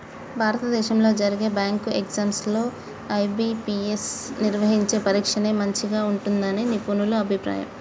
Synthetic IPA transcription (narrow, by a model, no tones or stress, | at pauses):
bʱaːɾɐt̪ɐd̪ɛːʃɐmlo̞ːd͡ʒɐɾiɡe̞ːbaːŋkueɡzaːmslo̞ː | ɐjbipiːesniɾʋɐɦiɲt͡ʃe̞ːpɐɾiːkʂɐneːmɐɲt͡ʃiɡaːuɳʈund̪ɐneːnipunuluɐbʱipɾa̰ːjɐ̰m